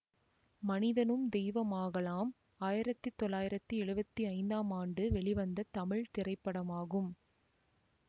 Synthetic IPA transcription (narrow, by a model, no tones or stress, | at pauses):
mɐnɪðɐnɯmd̪ɛjʋɐmaːɣɐlaːm | aːjɪɾɐt̪ːɯt̪ːɔlːaːjɪɾɐt̪ːɯɛɻɯbɐt̪ːiɐɪnd̪aːmaːɳɖɯʋɛɭɪʋɐnd̪ɐt̪ɐmɪɭt̪ɪrɐɪpːɐɽɐmaːɣɯm